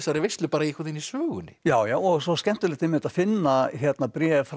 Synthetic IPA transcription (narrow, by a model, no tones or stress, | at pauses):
saɾɛɾvɪst̪ʏpaːɾaikɔɾt̪inisœːɣʏnɪjaːwjaːwɔɣsɔscɛm̥t̪ʏlɪht̪ɪmɪt̪afɪnːaçɛt̪napɾjɛːf